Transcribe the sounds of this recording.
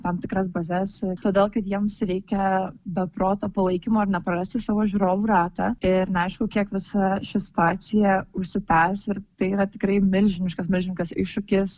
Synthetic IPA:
t̪ɐmt̪ʲɪkɾɐsbɐzʲɛst̪oːd̪ʲeːlˠkɐt̪jiɛmsɾʲɛɪkʲɛbʲɛpɾoːt̪oːpɐlˠɐɪkʲɪmoːɐrnʲɛpɾɐrɐsʲt̪ʲɪsɑːʋoːʒʲʊɾoːʋuːɾɑːt̪ɑɪɾnʲɛɐɪʃkʊkʲiɛkʋʲɪsɐʃʲɪsʲɪ̥t̪ʊaːsʲɪjɛʊʃʲsʲɪpʲæːsʲɪɾtt̪ɐɪiːɾɐt̪ʲɪkɾɐɪmʲɪlʲʒʲɪnʲɪʃkɐsmʲɪlʲʒʲɪnʲʊʃkɐsɪʃʃʊkʲɪs

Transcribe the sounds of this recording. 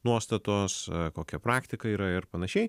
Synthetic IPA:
nuɔst̪ɐt̪oːskoːkʲɛpɾɑːkt̪ʲɪkɐiːɾɐɪɾpɐnɐʃʲɛɪ

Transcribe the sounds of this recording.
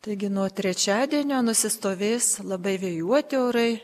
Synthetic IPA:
t̪ɐɪɡʲɪnuɔt̪ʲɾʲɛt͡ʃʲæːd̪ʲiɛnʲoːnʊsʲɪst̪oːʋʲeːslˠɐbɐɪʋʲeːjuɔt̪ʲɪoːɾɐɪ

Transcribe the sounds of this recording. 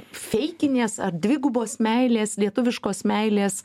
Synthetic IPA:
fʲɛɪkʲɪnʲeːsɐrd̪ʲʋʲɪɡʊboːsmʲæɪlʲeːslʲiɛt̪ʊʋʲɪʃkoːsmʲæɪlʲeːs

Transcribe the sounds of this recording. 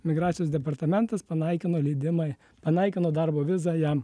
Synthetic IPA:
mʲɪɡɾɑːt̪sʲɪjoːsd̪ʲɛpɐɾt̪ɐmʲɛnt̪ɐspɐnɐɪkʲɪnoːlʲiːd̪ʲɪmɑ | pɐnɐɪkʲɪnoːd̪ɑɾboːʋʲɪzɑjɛm

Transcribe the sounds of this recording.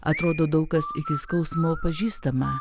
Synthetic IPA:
ɐ̰t̪ɾoːd̪oːd̪ɐʊkɐsɪkʲɪskɐʊsmoːpɐʒʲiːst̪ɐmɐ

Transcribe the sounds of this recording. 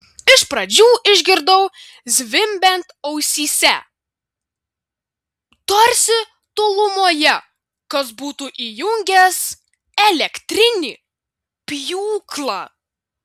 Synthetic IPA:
ɪʃpɾɐd͡ʒʲuːʔɪʒʲɡʲɪɾd̪ɐʊ | zʲʋʲɪmʲbʲɛnt̪ɐʊsʲiːsʲɛ | t̪ɔɾʲsʲɪ | t̪ʊlˠʊmoːjɛ | kɐsbuːt̪uʔiːjʊŋʲɡʲɛs | ɛlʲɛkt̪ʲɾʲɪnʲɪ | pʲjuːklˠɑ

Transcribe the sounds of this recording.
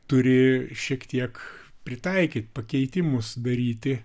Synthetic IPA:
t̪ʊɾʲɪʃʲiɛkt̪ʲiɛkpʲɾʲɪt̪ɐɪkʲiːt̪ʲpɐkʲɛɪt̪ʲɪmʊsd̪ɐɾʲiːt̪ʲɪ

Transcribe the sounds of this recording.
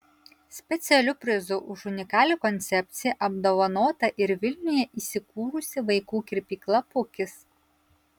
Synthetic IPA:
sʲpʲɛt̪sʲɛlʲʊpʲɾʲɪzʊʔʊʃʊnʲɪkɑːlʲukɔnʲt̪sʲɛpʲt̪sʲɪjɛʔɐbd̪oːʋɐnoːt̪ɐʔɪɾʋʲɪlʲnʲʊjɛʔiːsʲɪkuːɾʊsʲɪʋɐɪkuːkʲɪɾʲpʲiːklˠɐpʊkʲɪs

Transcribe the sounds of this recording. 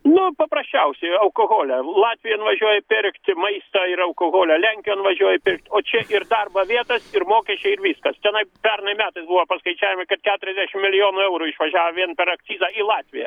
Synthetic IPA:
nʊpɐpɾɐsʲt͡ʃʲɛʊsʲɛɪɐʊkoɣoːlʲɛlˠɑːt̪ʲʋʲɪjɛnʋɐʒʲuɔjɛpʲɪrkt̪ʲmɐɪst̪ɐɪɾɐʊkoɣoːlʲɛlʲæŋʲkʲɪjoːnʋɐʒʲuɔjɛpʲɪrk̚t̪ʲoːt͡ʃʲɛʔɪrd̪ɐrbɐʋʲiɛt̪ɐsɪrmoːkʲɛsʲt͡ʃʲɛɪɪɾʋʲiːskɐst̪ʲɛnɐɪpʲɛrnɐɪmʲæːt̪ɐɪsbuːʋɐpɐskɐɪt͡ʃʲæːjʲɪmɪkɐt̪kʲæːt̪ʊɾʲɛzʲd̪ʲæʃʲɪmʲɪlʲɪjoːnʊɛʊɾuːɪʃʋɐʒʲæːʋɐʋʲiɛnpʲɛɾɐk̪sʲiːzɑilˠɑːt̪ʲʋʲɪjɛ̰

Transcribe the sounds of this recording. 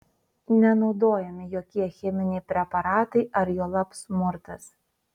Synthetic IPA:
nʲɛnɒʊd̪oːjɛmʲɪjoːkʲiɛxʲɛmʲɪnʲɛɪpʲɾʲɛpɐɾɑːt̪ɐɪʔɐɾjoːlˠɐpsmʊɾt̪ɐs

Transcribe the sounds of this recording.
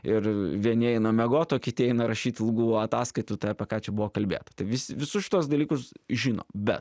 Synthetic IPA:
ɪɾʋʲiɛnʲɪɛɪnɐmʲɛɡoːt̪oːkʲɪt̪ʲɪɛɪnɐɾɐʃʲiːt̪ʲlˠɡuːɐt̪ɑːskɐɪt̪ʊt̪ɐɪɐpʲɛkɑːt͡ʃʲɛbʊʋoːkɐlʲbʲḛːt̪ɐ̥t̪ɐɪʋʲɪsʲɪʋʲɪsʊsʃʲɪ̥t̪uɔsd̪ɐlʲiːkʊsʒʲino̰ːbʲɛ̰t̪

